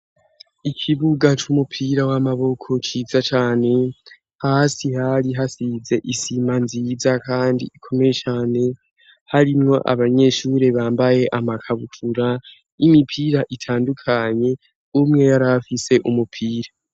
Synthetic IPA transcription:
ikʰiβuɡat͡ʃumupʰiːɾawamaβo̞kʰo̞t͡ʃiːzat͡ʃaːne̞ | hasihaɾiɦasize̞ʔisimanziːzakaːndḭʔikʰo̞me̞je̞t͡ʃaːne̞ | haɾimŋo̞ʔa̰βaɲe̞ʃuːɾe̞βaːmbaje̞ʔamakʰaβutʰuɾa | imipʰiɾaʔitʰaːndukʰaɲe̞ | umŋe̞jaɾafise̞ʔumupʰiːɾa

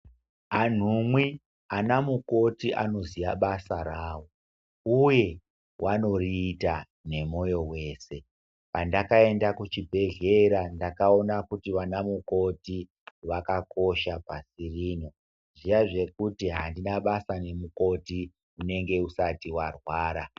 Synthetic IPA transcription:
an̤umwi | anamuko̞tiʔa̰no̞zijaɓasaɾaːwo̞ | uje̞ | wano̞riːta | ne̞mo̞jo̞we̞ːse̞ | pandakae̞ndakut͡ʃibʱe̞ɮeɾandakao̞nakutiʋanamuko̞ti | ʋakako̞ʃapasiriːno̞ | ʐijaʐe̞kutiɦandinaɓasane̞muko̞ti | une̞ŋɡe̞usatiwarwaːɾa

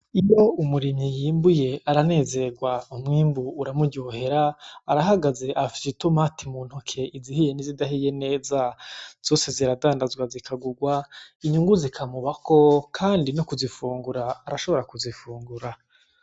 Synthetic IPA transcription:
ijo̞umuɾimɲijiːmbuje̞aɾane̞ːze̞ɡwaumŋiːmbuːɾamuɟohe̞ɾaːɾaɦaɡaze̞ʔafi̥sitomatimuːnhukʰe̞izihije̞nizidaɦije̞ne̞ːzaz̥o̞ːse̞ziɾadaːndazwazikʰaɡuɡwaiɲuŋɡuzikʰamuβako̞kʰaːndinokuzifuːŋɡuɾaːɾaʃo̞βoɾakuzifuːŋɡuɾa

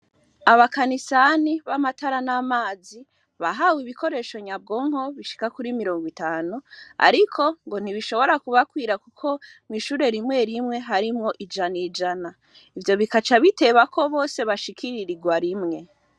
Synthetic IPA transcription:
aβakanisaniβamataɾanamaːzi | βaɦawiβiko̞ɾe̞ːʃo̞ɲab̚ɡo̞ːŋho̞βiʃi̥kakuɾimiɾo̞ːŋɡwitaːnua̰ɾikʰo̞ŋɡo̞n̥iβiʃo̞βo̞ɾakuβakwiːɾakukʰo̞miʃuɾe̞ɾimŋe̞ɾimŋe̞ɦaɾimŋo̞ʔid͡ʒanid͡ʒana | ivjo̞βikat͡ʃaβite̞βako̞βo̞ːse̞βaʃikʰiɾiɾiɡwaɾimŋe̞

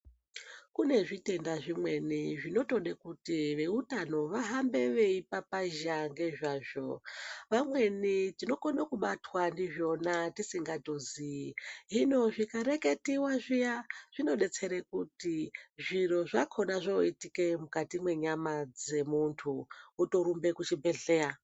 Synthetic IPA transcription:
kune̞ʐite̞ndaʐimwe̞niʐino̞to̞ɗekutiʋe̞utano̞ʋaɦambe̞ʋe̞ipapaʒaŋɡe̞ʐaːʐo̞ʋamwe̞nitino̞konakuɓatwandiʐo̞natisiŋɡatoziɦino̞ʐikaɾe̞ke̞tiwaʐijaʐ̥ino̞ɗe̞t͡se̞ɾekutiʐiro̞ʐakʰo̞naʐoitikemukatimwe̞ɲamad͡ze̞muntʰuːto̞ɾumbe̞kut͡ʃibʱe̞ɮeːɾa

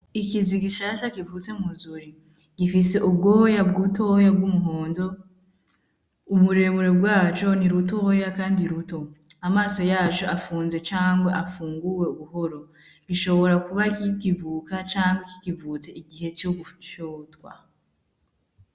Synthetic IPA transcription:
ikizwiɡiʃaːʃakivut͡se̞muzuɾi | ɡ̥ifise̞ʔubɡoːjabɡutʰoːjabɡumuɦoːndo̞ | uβuɾe̞βuɾe̞bɡwaːt͡ʃo̞niɾuto̞jakaːndiɾuto̞ | amaːso̞jaːt͡ʃoafuːnze̞t͡ʃaːŋɡwaʔafuːŋɡuwe̞uβuɦo̞ɾo̞ | ɡiʃo̞βo̞ɾakuβakikivuːkat͡ʃaːŋɡwaki̥kivuːt͡se̞ʔiɡihe̞t͡ʃoɡut͡ʃotwa̰

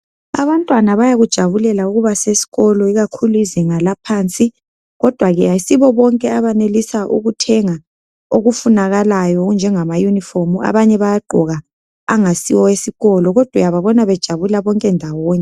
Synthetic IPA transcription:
a̰βantʼwanaβajaɣud̥ʒ̥ʱaβulɛlauɣuβasesi̥ɣɔlɔiɣakʰuluiziŋalapʰaːnt͡sʼi | ɣɔd̥ʱwaɣɛaisiβɔβɔŋkʼɛaβanelisaʔṵɣutʰɛŋa | oɣufunaɣalajɔɣund͡ʒʱɛŋamajunifomua̰βaɲɛβajaɡ͡ǃʱɔɣaː | ŋasiwɔesiɣɔlɔɣɔd̥ʱwajaβaβɔnaβɛd̥ʒ̥ʱaβulaβɔŋkʼɛndʱawoːɲɛ

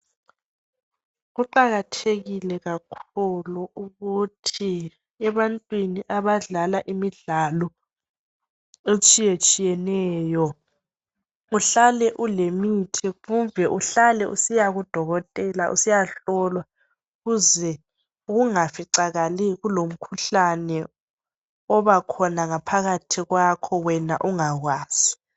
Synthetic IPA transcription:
ɣuǃaɣatʰeɣilɛɣakʰuluʔuɣutʰi | ɛβantʼwiniʔaβaɮalaʔimiɮalɔ | et͡ʃʼijet͡ʃʼijɛnɛːjɔ | uɬalɛʔulemitʰiɣuɱvʱɛʔuɬalɛʔusijaɣud̥ʱɔɣɔtʼɛlaʔṵsijaɬɔlwa | ɣuzɛ | uɣuŋafiǀaɣaliɣulom̩kʰuɬanɛ | ɔβakʰɔnaŋapʰaɣatʰiɣwakʰɔwɛnaʔuŋaɣwaːz̥i̥

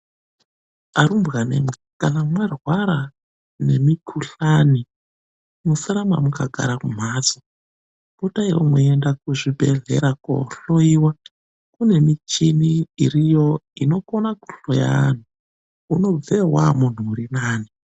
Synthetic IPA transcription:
aɾumbɣanḛmu | kanamwarwaɾa | ne̞mikʰuɬaːni | musaɾamamukaɡʱa̰ɾakum̤aːt͡so | b̥utaiwomwoendakuʐibʱḛɮḛɾako̰ɬoiwa | kune̞mit͡ʃiniːɾijo̞ino̞konaku̥ɬoja̰nu | uno̞b͡vewa̰mun̤uuɾinaːni

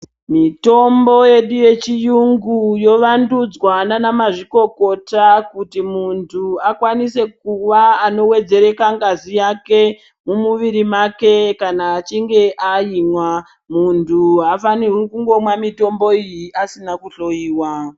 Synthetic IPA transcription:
mito̞mbo̞je̞ɗuje̞t͡ʃijuŋɡujo̞ʋandud͡zwananamaʐiko̞ko̞takutimuntʰuakwanise̞k̚uʋaːno̞we̞d͡ze̞ɾe̞kaŋɡazijake̞ | mumuʋiɾimake̞kanaːt͡ʃiŋɡe̞ʔajimwa | muntʰuɦafanirukuŋɡo̞mwamito̞mbo̞ijiʔasinakuɬo̞jiːwa

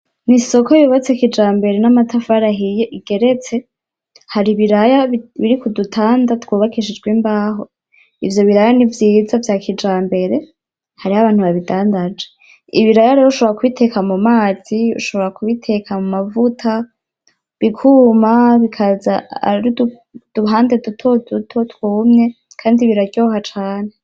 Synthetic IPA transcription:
niso̞kojuβat͡sekid͡ʒaːmbe̞ɾe̞namatafaɾaɦijiɡ̥e̞ɾe̞t͡se̞ | haɾiβiɾajaβiɾikudutʰaːndatkwuːβakiʃid͡ʒɡwimbaːɦo̞ | ivjo̞βiɾajanivjiːzavjaːkʰid͡ʒaːmbe̞ɾe̞ | haɾihaβaːn̥huβaβidaːndad͡ʒe | iβiɾajaɾeːɾouʃoβoɾakuβitʰe̞kamumaːz̥iṵʃo̞βoɾakuβitʰe̞kʰamumavutʰa | βikʰuːmaβikʰazaa̰ɾid | d̥uɦaːndedutʰodutʰotwuːmɲe̞ | kʰaːndiβiɾaɾɟoːhat͡ʃaːne

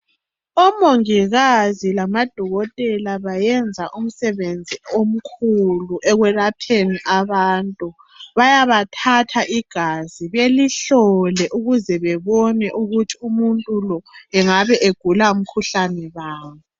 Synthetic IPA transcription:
ɔmoŋiɣazilamad̥ʱɔɣɔtʼɛlaβajɛnd͡zʱaʔum̩sɛβend͡zʱiom̩kʰuluʔɛɣwɛrapʰeniʔaβaːntʼu | βajaβatʰatʰaʔiɡ̥ʱaziβeliɬɔlɛʔuɣuzɛβɛβɔnɛʔuɣutʰiumuntʼulɔɛŋaβɛʔeɡ̥ʱulaum̩kʰuɬanɛβaːŋu

